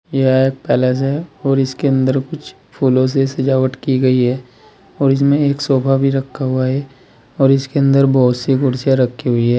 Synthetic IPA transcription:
jeaeːk̚pɛːlas̬ɦɛɔːɾɪskeə̃nd̪əɾkʊt͡ʃʰ | pʰuːlõs̬esɐd͡ʒaːʋəʈkiɡɐiɦɛː | ɔːɾɪs̬mẽeːksɔːbʱabʱiɾɐkʰːaɦuaɦɛː | ɔːɾɪskeə̃nd̪əɾbɔːt̪siɡʊɾsjaɾɐkʰːiɦʊiɦɛː

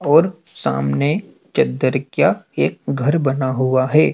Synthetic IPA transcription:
ɔːɾ | sa̰ːmne | t͡ʃɐd̪əɾkjaeːk̚ɡʱɐɾbɐnaɦʊaɦɛː

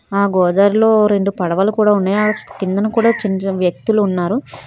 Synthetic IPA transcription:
aːɡɔːd̪aːɾilo̞ːɾe̞ɳɖupɐɽɐʋaːlukuːɽaːunːaːjaːɐt͡ʃkind̪ɐnɐkuːɽaːt͡ʃinʋjɐk̚t̪uluːnːaːɾu

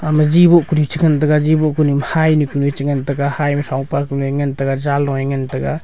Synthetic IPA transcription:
amazibɔkunit͡ʃiŋant̬aɡazibɔkunimhajnikunit͡ʃiŋantaɡahajmasawpaknɔjŋantaɡazalːɔjaŋantaɡa

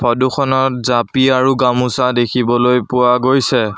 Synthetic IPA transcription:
pʰɔduxʰɔnɔtzapiaɹuɡamusadekʰibɔlojpʊwaɡojsɛ

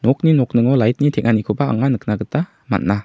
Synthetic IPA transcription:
nɔk̚ninɔk̚nɯŋɔlajt̚nitʰɛk̚ŋʔanikʰubaa̰ŋanɯk̚naɡɯta | ma̰t̚na

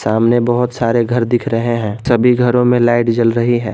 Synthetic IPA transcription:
saːmnebəɦʊt̪saːɾeɡʱɐɾd̪ɪkʰɾəɦeɦɛ̃ːsəbʱiɡʱəɾõmẽlaːɪʈd͡ʒəlɾəɦiɛ̰̃ː

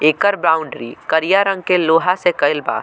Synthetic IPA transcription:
eːkəɾbaːʊ̃ɳɖɾḭkəɾijaɾə̃ŋɡkeloːɦasekəɪlba̰ː

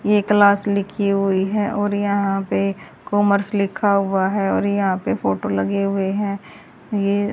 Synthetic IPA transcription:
jeklaːslɪkʰiɦʊiɦɛʔɔːɾjɐɦãpe | kɔːməɾslɪkʰaɦʊaɦɛɔːɾjɐɦãpefoːʈolɐɡeɦʊeɦɛ̃ː | jeː

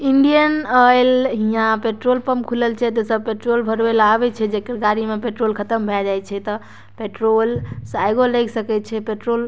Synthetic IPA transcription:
iɳɖijənəjlɦijãpeʈɾolpəmkʰuləlt͡ʃʰɛt̪esəb̚peʈɾolbʱəɾbelabɛt͡ʃʰɛd͡ʒekəɾɡaɾimepeʈɾolkʰət̪əmbʱɛd͡ʒajt͡ʃʰɛt̪ɔ | peʈɾolsajɡoləksəkɛt̪t͡ʃʰɛpeʈɾol

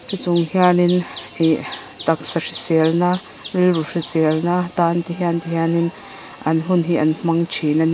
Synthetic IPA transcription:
sʰit͡sʊŋhianinhi | t̪ak̚saʂisɛlna | rilruʂisɛlnat̪ant̪iɦiant̪iɦianin | ʔɐnɦunɦiʔɐnm̥aŋt͡ʃʰinan

